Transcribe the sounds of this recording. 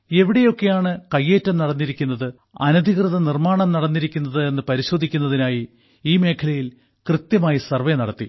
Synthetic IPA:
e̞ʋiɽe̞jo̞kːe̞jaːɳɨkɐjːe̞ːtːɐmnɐɽɐnːiɾikʲːunːɐðɨ | ɐ̰nɐd̪ʱikrɨðɐnirmaːɳɐmnɐɽɐnːiɾikʲːunːɐðɨe̞nːɨpɐɾiɕo̞ːd̪ʱikʲːunːɐðinaːji | iːme̞ːkʰɐlɐjil | krɨt̪jɐmaːjisɐrʋenɐɽɐt̪ːi

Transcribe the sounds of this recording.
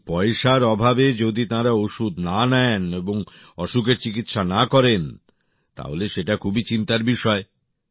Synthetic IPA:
pɔeʃaɾɔbʱabed͡ʑod̪it̪ãɾaoʃud̪nanɛeneboŋ | ɔʃukeɾt͡ɕikit̪ʃanakɔɾen | t̪a̰ɦo̰leʃeʈakʰubit͡ɕint̪aɾbiʃɔe

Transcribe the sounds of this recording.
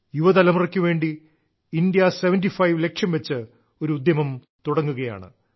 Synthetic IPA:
juʋɐðɐlɐmurɐkʲːuʋe̞ːɳɖi | indijɐseʋɐndifɐjʋlekʂɐmʋet͡ɕːɨ | o̞ɾuːd̪jɐmɐm | t̪uɽɐŋːuɣɐja̰ːɳɨ̰

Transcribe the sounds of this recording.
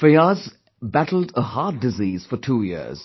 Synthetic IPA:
feaz | bætl̩dəhɑːdːɪziːz̥fɔtʰuːjḭəz̥

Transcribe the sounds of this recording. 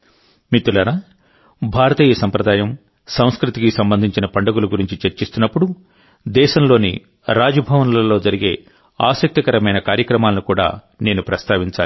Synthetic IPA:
mit̪ːulɐɾaː | bʱaːɾɐt̪iːjɐsɐmpɾɐd̪aːjɐm | sɐw̃skɾut̪ikisɐmbɐnd̪ʱiɲt͡ʃinɐpɐɳɖɐɡuluɡuɾiɲt͡ʃit͡ʃeɾt͡ʃist̪unːɐpːuɽu | d̪ɛːʃɐmlo̞ːnḭ | ɾaːd͡ʒɐbʱɐʋɐnɐlɐlo̞ːd͡ʒɐɾiɡe̞̰ː | a̰ːsɐk̚t̪ɐkɐɾɐmɐjnɐkaːɾjɐkɾɐmaːlɐnikuːɽa̰ː | ne̞ːnupɾɐst̪ʰaːʋiɲt͡ʃaː

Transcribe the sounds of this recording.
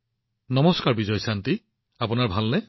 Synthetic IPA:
nɔmɔskaɹbizɔjsanti | apʊnaɹbʱalnɛ

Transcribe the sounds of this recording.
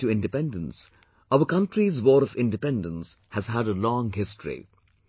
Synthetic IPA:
tuɪ̃ndɨpɛ̃ndə̃ns | ʌʊəkʌ̃nʈɾizwɔːɾɔvɪ̃ndɨpɛ̃ndə̃ns | hæzɦæɾəlɔ̃ŋɦɪstɹḭ

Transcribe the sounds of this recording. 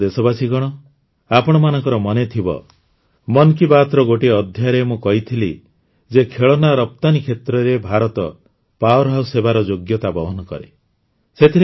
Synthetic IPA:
d̪esɔbasiɡɔɽ̃ɔ | apɔɽ̃ɔmanɔ̃ŋkɔɾɔmɔnet̪ʰibɔ̰ | mɔnkibat̪ɾɔɡoʈiɔd̪ʱjaɾemũkɔɦit̪ʰili | d͡ʒekʰeɭɔnaɾɔp̚t̪anikʰet̪ɾɔɾebʱaɾɔt̪ɔ | paɔɾɦawsebaɾɔd͡ʒoɡjɔt̪abɔɦɔnɔkɔ̰ɾe | set̪ʰiɾe

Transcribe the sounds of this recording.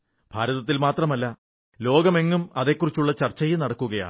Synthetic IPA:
b̥ʱaːɾɐðɐt̪ːilmaːt̪rɐmɐlːɐ | lo̞ːɡɐme̞ŋːumɐðe̞kːurit͡ɕːuɭːɐt͡ɕɐrt͡ɕːɐjunɐɽɐkːuɣɐja̰ːɳ

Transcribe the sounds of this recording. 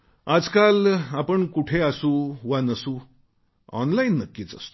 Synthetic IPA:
ad͡zkalapəɳkuʈʰeasũːʋanəsuː | ɔnlainːəkːiːt͡sə̰st̪o̥

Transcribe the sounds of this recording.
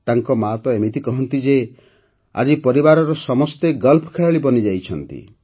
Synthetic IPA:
t̪aŋkɔmaɦɔt̪ɔemit̪ikɔɦɔnt̪id͡ʒe | a̰d͡ʒipɔɾibaɾɔɾɔsɔmɔst̪eɡɔlpʰɔ̥kʰeɭaɭibɔnid͡ʒajt͡ʃʰɔnt̪ḭ

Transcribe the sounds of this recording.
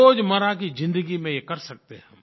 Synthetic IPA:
oːd͡ʒmɐɾakizɪ̃nd̪əɡimẽjekɐɾsɐk̚t̪eɦɛ̃

